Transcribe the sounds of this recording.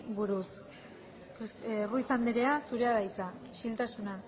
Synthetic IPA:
buɾus | ruisand̪eɾe̞asuɾe̞aðajt͡saiʃilt̪asuna

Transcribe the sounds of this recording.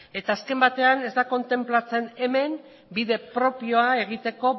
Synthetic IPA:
e̞t̪aːske̞mbat̪e̞ane̞zd̪ako̞nt̪e̞mplat͡se̞ne̞me̞n | biðe̞pɾo̞pio̞ae̞ɣ̞it̪e̞ko̞

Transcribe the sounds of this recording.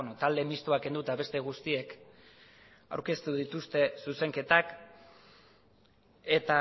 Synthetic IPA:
not̪ald̪e̞mist̪uake̞nd̪ut̪aβe̞st̪e̞ɣ̞ust̪ie̞k | a̰wɾke̞st̪uðit̪ust̪e̞suse̞ŋke̞t̪ak | e̞t̪a

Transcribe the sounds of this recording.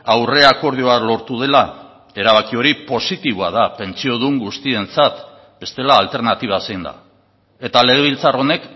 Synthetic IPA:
awre̞ako̞ɾð̞io̞alo̞ɾt̪uð̞e̞la | e̞ɾaβakio̞ɾipo̞sit̪iβoað̞ape̞nt͡sio̞ðuŋɡust̪ie̞nt͡sat̪ | be̞st̪e̞laːlt̪e̞ɾnat̪iβ̞asejnd̪a̰ | e̞t̪ale̞ɣ̞eβilt͡saro̞ne̞k

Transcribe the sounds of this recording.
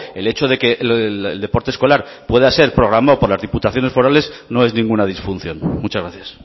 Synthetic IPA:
e̞le̞t͡ʃoðe̞ke̞ʔeld̪e̞po̞ɾt̪esko̞laɾ | pwe̞ð̞ase̞ɾpɾo̞ɣɾamaopo̞ɾlazðiput̪aθjo̞ne̞sfo̞ɾale̞zno̞e̞znĩŋɡunað̞isfun̟θjo̞nmut͡ʃazɣɾaθjas

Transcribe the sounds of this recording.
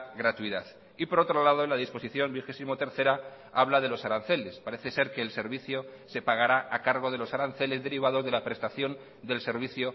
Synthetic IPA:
ɣɾat̪uiðaθ | ipo̞ɾo̞t̪ɾo̞lað̞oelaðispo̞siθjo̞mbixe̞simo̞t̪e̞ɾθe̞ɾa | aβlað̞e̞lo̞saɾanθe̞le̞spaɾe̞θe̞se̞ɾke̞ːlse̞ɾβiθjo̞se̞paɣ̞aɾaʔakaɾɣ̞o̞ð̞e̞lo̞saɾanθe̞le̞zðe̞ɾiβ̞aðo̞zðe̞lapɾe̞st̪aθjo̞n | d̪e̞lse̞ɾβ̞iθjo̞

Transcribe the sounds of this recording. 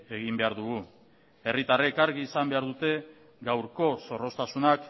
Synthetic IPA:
e̞ɣ̞imbe̞aɾðuɣu | e̞rit̪arekaɾɣiːsambe̞aɾðut̪e̞ | ɡawɾko̞so̞ro̞st̪asunak

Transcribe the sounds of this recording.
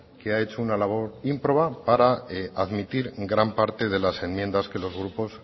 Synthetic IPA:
ke̞ae̞t͡ʃo̞unalaβ̞o̞ɾimpɾo̞βapaɾaaðmit̪iɾɡɾampaɾt̪e̞ðe̞lase̞nmje̞nd̪aske̞lo̞zɣ̞ɾupo̞s

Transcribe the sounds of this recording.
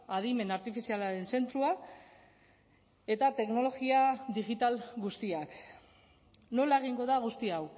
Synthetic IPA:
aðime̞naɾt̪ifisialaɾe̞nse̞nt̪ɾua | e̞t̪at̪e̞kno̞lo̞ɣiaðiɣit̪alɡust̪iak | no̞lae̞ɣ̞iŋɡo̞ðaɣ̞ust̪iaw

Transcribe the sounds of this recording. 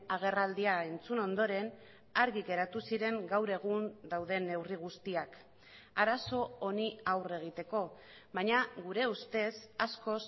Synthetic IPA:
aɣ̞e̞rald̪iae̞nt͡suno̞nd̪o̞ɾe̞n | aɾɣiɣe̞ɾat̪usiɾe̞ŋɡawɾe̞ɣ̞und̪awðe̞ne̞wriɣ̞ust̪iak | aɾaso̞oniawre̞ɣ̞it̪e̞ko̞ | βaɲaɣuɾe̞ust̪e̞sasko̞s

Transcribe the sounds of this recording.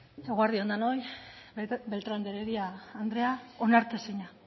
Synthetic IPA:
e̞ɣoaɾðiond̪anoj | be̞lt̪ɾand̪eɾeɾiaːnd̪ɾe̞aonaɾt̪eseɲa

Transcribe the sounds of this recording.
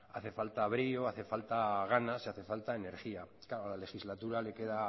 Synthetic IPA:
aθe̞falt̪aβ̞ɾioaθe̞falt̪aɣanaseaθe̞falt̪aene̞ɾxiakaɾolale̞xizlat̪uɾale̞ke̞ða

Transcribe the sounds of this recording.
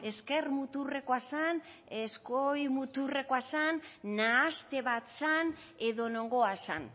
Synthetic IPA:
e̞ske̞rmut̪ure̞koasan | eskojmut̪ure̞koasanːaːst̪e̞βat̪san | e̞ðo̞no̞ŋɡo̞asa̰n

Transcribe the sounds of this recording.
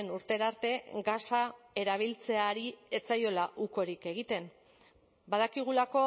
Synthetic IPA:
nuɾt̪e̞ɾaɾt̪e̞ɡasae̞ɾaβ̞ilt͡se̞aɾie̞t͡sajo̞laʔuko̞ɾike̞ɣ̞it̪e̞m | bað̞akiɣ̞ulako̞

